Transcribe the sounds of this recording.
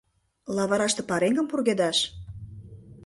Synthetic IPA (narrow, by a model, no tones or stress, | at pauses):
lɑβɑɾɑʃt̪ĕpɑɾeŋɡəmpurɣed̪ɑʃ